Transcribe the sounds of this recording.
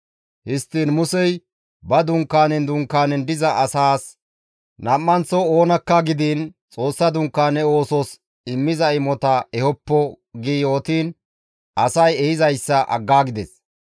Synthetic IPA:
hɪst̪ːiːnmʊsɛj | bɐd̪ʊŋkːaːnɛnd̪ʊŋkːaːnɛnd̪ɪzɐʔɐsaːs | nɐmːɐnt͡sɔoːnɐkːɐɡɪd̪iːnt͡sʼo̞ːsːɐd̪ʊŋkːaːnɛo̞ːsɔs | ɪmːɪzɐɪmɔt̪ɐɛhɔpːɔ | ɡiːoːt̪iːn | ɐsɐjɛhɪzɐjsːɐʔɐ̰ɡːaːɡɪd̪ɛs

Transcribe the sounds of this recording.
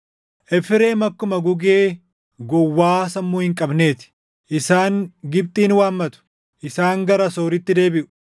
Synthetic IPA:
ʔɛfɪɾe̞ːmɐkːʊmɐɡʊɡeː | ɡɔwːaːsɐmːuːhɪŋkʼɐbne̞ːt̪ɪ̥ | ʔɪsaːŋɡɪb̚t̪ʼiːnwaːmːɐt̪ʊ̥ | ʔɪsaːŋɡɐɾɐsoːɾɪt̪ːɪd̪eːbɪʔʊ̥

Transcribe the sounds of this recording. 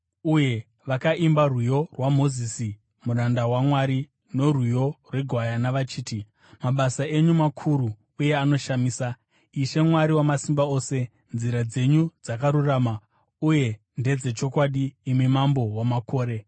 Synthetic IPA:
uje̞ | ʋakaʔimbarwujo̞rwamo̞zisi | murandawamwaɾi | no̞rwujo̞rwe̞ɡʱwajanaʋat͡ʃiːti | maɓasae̞ɲumakʰuɾuː | je̞ano̞ʃamiːsa | iʃe̞mwaɾiwamasimbao̞ːse̞ | nziɾad͡ze̞ɲud͡zakaɾuraːma | uje̞ | nde̞d͡ze̞t͡ʃo̞kwaɗiːmimambo̞wamako̞ːɾe̞

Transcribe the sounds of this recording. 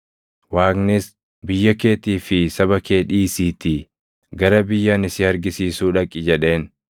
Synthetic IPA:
waːɡnɪs | bɪjːɐke̞ːt̪iːfɪsɐβɐke̞ːᶑiːsiːt̪ɪ | ɡɐɾɐbɪjːaːnɪsɪɐɾɡɪsiːsuːᶑɐkʼːɪd͡ʒɛᶑe̞ːn

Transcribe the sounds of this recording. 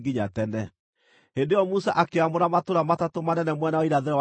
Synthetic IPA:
ɡiɲatɛnɛ | hendejɔmusaʔakeamoɾamatoɾamatatomanɛnɛmwɛnaɔiɾaðeɾɔ

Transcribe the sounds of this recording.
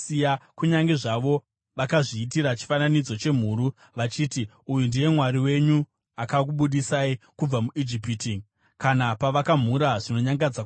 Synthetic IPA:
ijakuɲaŋɡe̞ʐaʋo̞ | ʋakaʐiːtiɾat͡ʃi̥fananid͡zo̞t͡ʃe̞m̤uːɾu | ʋat͡ʃiːti | ujundije̞mwaɾiwe̞ɲu | akakuɓuɗisaikub͡vamuʔid͡ʒipitiŋ | kanapaʋakam̤uɾaʐino̞ɲaŋɡad͡za

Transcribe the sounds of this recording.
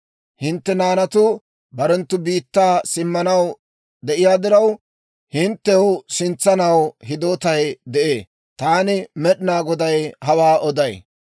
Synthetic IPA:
hɪnt̪ːɛnaːnɐt̪ʊ | bɐɾɛnt̪ːʊbiːt̪ːaːsɪmːɐnɐw | d̪ɛʔɪjaːd̪ɪɾɐw | hɪnt̪ːɛwsɪnt͡sːɐnɐwɦɪd̪oːt̪ɐjd̪ɛʔeː | t̪aːnɪmɛɗɪnaːɡɔd̪ɐjhɐwaːɔd̪ɐj

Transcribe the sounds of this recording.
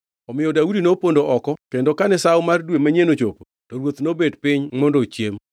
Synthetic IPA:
ɔmɪjɔdaudinopondoʔɔkɔkendokanɛsawmardwemaɲenot͡ʃopo | toɾwot̪nobedpɪɲmɔndot͡ʃjem

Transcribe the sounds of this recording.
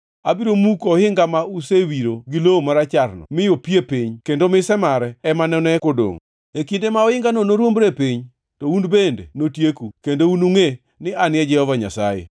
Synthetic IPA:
abiɾomukɔhɪŋɡamausewiɾoɡɪloomaɾat͡ʃaɾnɔ̰mɪjopjepiɲkendomɪsɛmaɾɛɛmanɛnɛkodo̰ŋ | ekindemaɔɪŋɡanonoɾwombɾepiɲ | tounbendḛnotjekukendounuŋe | nɪanɪɛd͡ʒɛhɔvaɲa̰sajḛ

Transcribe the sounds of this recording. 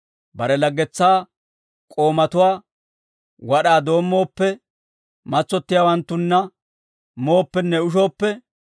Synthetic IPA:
bɐɾɛlɐɡːɛt͡sːaː | kʼo̞ːmɐt̪ʊwaː | wɐɗaːd̪o̞ːmːo̞ːpːɛ | mɐt͡sːɔt̪ːɪjawɐnt̪ːʊnːɐ | moːpːɛnːɛʊʃ̬o̞ːpːɛ

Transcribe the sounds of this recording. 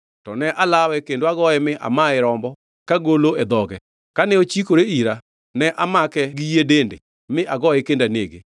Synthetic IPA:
tɔnɛʔalawɛkendoaɡɔɛmɪʔa̰maɪɾɔmbɔ | kaɡoloɛd̪ɔɡɛ | kanɛot͡ʃikoɾeiɾa | nɛʔamakɛɡijedendḛ | mɪʔaɡɔɛkendaneɡḛ

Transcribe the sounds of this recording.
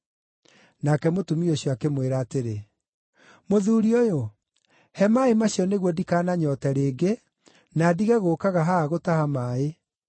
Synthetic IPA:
nakɛmotumioɕjɔakemweɾaːteɾe | moðuːɾiojo | hɛmaemaɕjɔneɣwɔdikaːnaɲɔtɛɾeːɡe | naːdiɣɛɣoːkaɣaɦaːɣotahamaːe

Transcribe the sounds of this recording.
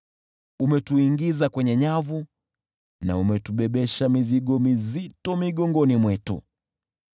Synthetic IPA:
umɛtuiŋɡizakwɛɲɛɲavu | na̰umɛtuɓɛɓɛʃamiziɠɔmizitɔmiɠɔŋɡɔnimwɛtṵ

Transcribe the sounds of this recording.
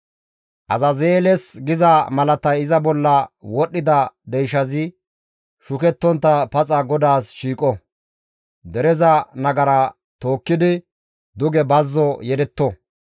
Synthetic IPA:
ʔɐzɐzeːlɛsɡɪzɐmɐlɐt̪ɐjɪzɐbɔlːɐwɔɗːɪd̪ɐd̪ɛjʃɐzɪ | ʃʊkɛt̪ːɔnt̪ːɐpɐt͡sʼɐɡɔd̪aːsʃiːkʼɔ | d̪ɛɾɛzɐnɐɡɐɾɐ | t̪o̞ːkːɪd̪ɪ | d̪ʊɡɛbɐzːɔjɛd̪ɛt̪ːɔ

